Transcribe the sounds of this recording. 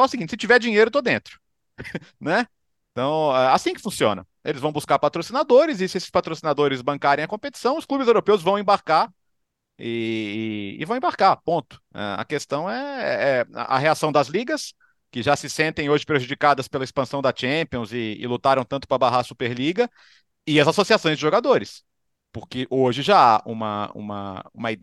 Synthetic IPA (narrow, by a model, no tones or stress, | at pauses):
ɛʊsiɡĩtt͡ʃɪsɪt͡ʃivɛɾd͡ʒĩɲejɾʊt̪od̪ẽnt̪ɾʊ̥ | nɛ | ẽt̪ɐ̃w̃ɛasĩkɪ̥fũsiõ̰nɐ̰ | elɪzvɐ̃w̃buskaɾpat̪ɾosinad̪oɾɪzɪsɪesɪspat̪ɾosinad̪oɾɪzbɐ̃kaɾẽj̃ɐkõpet͡ʃi̥sɐ̃w̃ʊsklubɪzewɾopewzvɐ̃w̃ẽbaɾkaɾ | ɪ | ɪ̰vɐ̃w̃ẽbaɾkaɾpõnt̪ʊ̥ɛ̰ɐ̰kest̪ɐ̃w̃ɛɛ̰ɛ̰ʔɐɦeasɐ̃w̃d̪ɐzliɡɐs | kɪʒasɪsẽnt̪ẽj̃oʒɪpɾeʒud͡ʒikad̪ɐspelɐispɐ̃sɐ̃w̃d̪ɐt͡ʃẽpiõw̃zɪɪ̰lut̪aɾɐ̃w̃t̪ɐ̃t̪ʊ̥pɾɐbaɦaɾsupeɾliɡɐ | ɪɐzasosiasõj̃zd͡ʒɪʒoɡad̪oɾɪs | pʊɾkɪʔoʒɪʒaaṵ̃mɐṵ̃mɐ̰ũmɐi